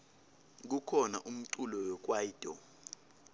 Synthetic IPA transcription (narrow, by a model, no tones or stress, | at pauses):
k̬ukʰɔnaʔum̩ǀulɔwɔk̬ʼwaid̥ʱɔ